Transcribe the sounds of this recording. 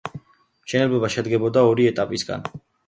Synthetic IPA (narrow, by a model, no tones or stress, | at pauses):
mʃɛnɛlblɛbaʃɛd̪ɡɛbɔd̪aɔɾiɛt̪ʼapʼisɡa̰n